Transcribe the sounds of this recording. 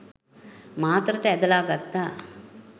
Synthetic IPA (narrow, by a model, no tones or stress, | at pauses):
maːt̪ɾɐʈɛd̪ɐlaːɡɐt̪ːa